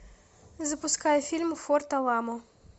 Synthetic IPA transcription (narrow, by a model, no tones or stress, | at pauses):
zɐpʊskɑjɛfʲilʲmfɔrt̪ɐlˠɑmɔ